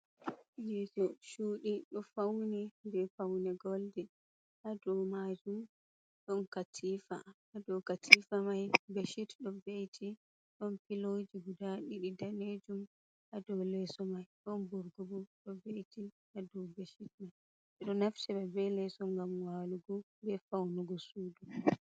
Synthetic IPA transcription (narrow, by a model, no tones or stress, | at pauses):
jɛsɔʃuːɗiɗɔfawnidɛfawnɛɡɔldɛ | ʔadɔwmad͡ʒum | ɗɔnkatʰiːfa̰ | adɔwkatʰifamajbeʃitɗɔvejtʰi | ɗɔnpilod͡ʒiɡudaɗiɗidaned͡ʒum | ʔadɔwlɛsɔmajɗɔnbɔɾɡubuɗɔvejti | ʔadɔwbeʃit̚maj | ɛɗɔnaftɛɓɛbɛlɛsɔŋɡamwaːluɡɔ | bɛfawnuɡɔsuːdu